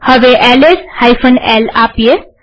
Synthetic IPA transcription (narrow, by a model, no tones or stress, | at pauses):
həʋeʔɛleshaifʰənɛlaːpije